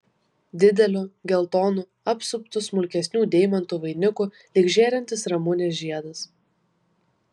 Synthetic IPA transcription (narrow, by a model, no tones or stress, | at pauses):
d̪ʲɪd̪ʲɛlʲuːɡʲɛlˠt̪ɔːnuː | ɐpsʊpt̪ʊsmʊlʲkʲɛsʲnʲuːd̪ʲɛɪmʲɐnt̪uːʋɐɪnʲʊku | lʲɪɡʒʲeːɾʲɛnʲt̪ʲɪsɾɐmʊnʲeːsʒʲiɛd̪ɐs